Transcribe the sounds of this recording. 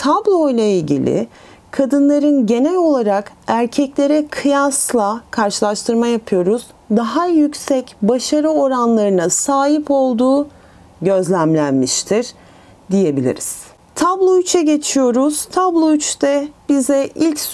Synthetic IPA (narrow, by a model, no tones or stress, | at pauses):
t̪ʰablˠojlˠailʲɟḭlʲɪ̰ | kʰad̪ɯnlˠaɾɯnɟe̞nɛlʲo̞lˠaɾak | æɾcʰɛclʲe̞ɾɛkʰɯjaslˠakʰaɾʃɯlˠaʃt̪ʰɯɾmajapʰɯjo̞ɾuz̥ | d̪aɦajycʲsɛcbaʃaɾɯo̞ɾanlˠaɾɯnasaːɦipo̞lˠd̪uː | ɟø̞zlʲæmlʲænmiʃt̪ʰiɾ̥ | d̪ije̞bilʲḭɾiz̥ | t̪ʰablˠoyt͡ʃʰɛɟe̞t͡ʃʰijo̞ɾuz̥t̪ʰablˠoyt͡ʃt̪ɛb̥izɛʔilʲc